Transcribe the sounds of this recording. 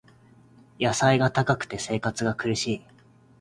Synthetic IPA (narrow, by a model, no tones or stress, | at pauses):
jasaiɡat̪akakɯ̥t̪e̞se̞ːkat͡sɨɡakɯ̟ɾɯ̟ɕiː